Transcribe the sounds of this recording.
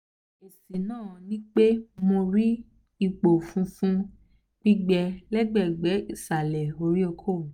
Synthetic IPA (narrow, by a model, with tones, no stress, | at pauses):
e˨si˨nãː˦˨nĩ˦k͡pe˦mo˧ɾi˦ | i˧k͡po˨fũ˦fũ˦ | k͡pi˦ɡ͡bɛ˧lɛ˦ɡ͡bɛ˦˨ɡ͡bɛ˨˦i˦˨sa˨lɛ˨o˧ɾi˦o˧kʰõ˦˨